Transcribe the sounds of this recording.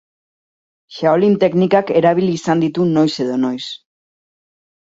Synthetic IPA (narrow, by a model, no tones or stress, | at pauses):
ʃaolint̪e̞knikake̞ɾaβ̞ilisand̪it̪uno̞jse̞ðo̞no̞js